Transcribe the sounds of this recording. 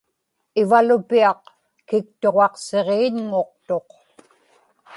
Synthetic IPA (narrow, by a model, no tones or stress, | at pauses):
ɪvalʊpiɑq | kɪk̚t̪o̞ʁɑqse̞ʁeːɲŋo̞qt̪o̞q